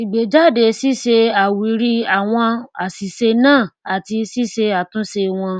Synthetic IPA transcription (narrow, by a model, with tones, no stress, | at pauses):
i˨ɡ͡be˨d͡ʒa˦˨de˧˦si˦ʃe˧a˨wi˨˦ɾi˧a˨w̃ɔ̃˧a˨si˨ʃe˧nãː˦˨a˨ti˧si˦ʃe˧a˨tũ˦ʃe˧w̃ɔ̃˧